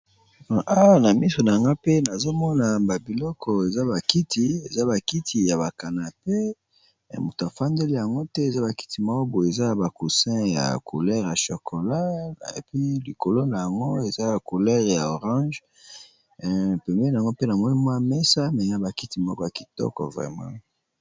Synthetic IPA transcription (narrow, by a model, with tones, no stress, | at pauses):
a˦˨na˨mi˦so˨na˨ja˨ŋɡa˦pe˦na˨zo˦mɔ˦na˨ba˨bi˨lɔ˦kʰɔ˨e˨za˦ba˨ki˦tʰi˨e˨za˦ba˨ki˦tʰi˨ja˨βa˨ka˨na˨pe˦˨ | mo˨ta˨fa˦ndɛ˦li˦ja˨ŋɡo˦tɛ˦e˨za˦ba˨ki̥˦ti˨mɔ˦bo˨e˨za˦˨ba˨ku˨sɛ̃˦ja̰˨kʰo˨lɛ˦ʁja˨ʃo˨kʰo˨la˦˨ḛ˨pɥi˦li˨ko˨lo˦na˨ja˨ŋɡo˦e˨za˦˨ko˨lɛ˦ʁja˨o˨ʁɑ̃˦ʒ | pe˨mɛ˦na˨ŋɡo˦pe˦na˨ŋo˦i˦mwa˦mɛ˦sa˦m˨za˦ba˨ki˦ti˨mɔ˦kɔ˦ja˨ki˨tɔ̰˦kɔ̰˨vʁɛ̰˨mɑ̰̃˦